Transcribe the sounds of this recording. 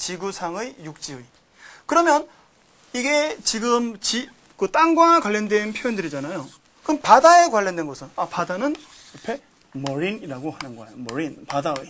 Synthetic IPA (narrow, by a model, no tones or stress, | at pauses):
t͡ɕiɡusʰaŋɯjjuk̚t͡ɕ͈iɯi | kɯɾʌmjʌn | iɡe̞t͡ɕiɡɯmt͡ɕi | kɯt͈aŋɡwakwaʎːʌndwe̞npʰjojindɯɾid͡ʑanajo | kɯnpadae̞kwaɭːʌndwe̞nɡʌsʰɯnapadanɯn | ʌpʰe̞ | mʌɾiniɾaɡohanɯnɡʌḛjomʌɾinpadaɯ